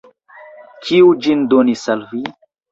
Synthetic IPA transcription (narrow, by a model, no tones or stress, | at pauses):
kʰiud͡ʒindonisalvi